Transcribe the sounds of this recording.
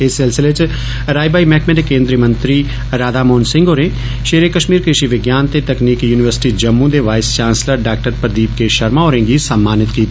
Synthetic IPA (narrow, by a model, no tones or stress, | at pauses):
ɪsɪlsɪlet͡ʃ | ɾaːjbaːimɛːkmɛːʈekːẽːnd̪ɾijəmə̃nt̪ɾiː | ɾaːd̪aːmoːnsɪ̃ŋɡoːɾẽː | ʃeːɾeːkəʃmiːɾkɾɪʃiːʋɪɡjaːnt̪et̪əkniːkjuːnɪʋəɾsɪ̥ʈiːd͡ʒəmːũːd̪eːʋaːɪst͡ʃaːnsləɾɖaːk̚ʈəɾpɾəd̪iːp̚keʃəɾmaːɦoːɾẽːɡiːsəmːaːnɪt̪kiːt̪ː